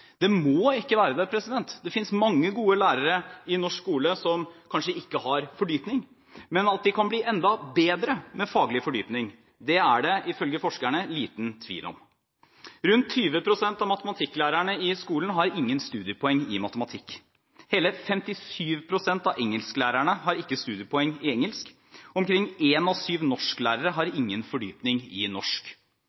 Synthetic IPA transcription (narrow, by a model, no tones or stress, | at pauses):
d̪ɛmoːɪkːəʋæːɾəd̪æpʰɾɛsɪd̪ɛnt̪d̪ɛfɪnsmɑŋːəɡuːəlæːɾəɾəɪnɔʂkuːləsɔmkʰɑnʂəɪkːəhɑɾfɔɖyːpnɪŋ | mɛnɑt̪̚d̪ɪkʰɑnbliːʔɛnd̪ɑbeːd̪ɾəmɛfɑːɡlɪfɔɖyːpnɪŋ | d̪ɛæɖɛʔɪfœlɡəfɔʂkæɳəliːt̪nt̪ʰʋḭːlʔɔ̰m | ɾʉnt̪ʰːyːʋəpʰɾʊsɛnt̪ɑʋmɑt̪əmɑt̪ʰɪkːlæːɾæɳəɪskuːln̩ɦɑɾɪŋːənst̪ʉːd̪ɪəpʰɔɛŋːɪmɑt̪əmɑt̪ʰɪkː | heːləfɛmt̪ɪsyːʋpʰɾʊsɛnt̪ɑʋʔɛŋːəlsklæːɾæɳəɦɑɾɪkːəst̪ʉːd̪ɪəpʰɔɛŋːɪɛŋːəlsk | ɔmkɾɪŋːeːnɔsyːʋnɔʂklæːɾəɾəɦɑɾɪŋːənfɔɖy̰ːpnɪŋɪnɔʂk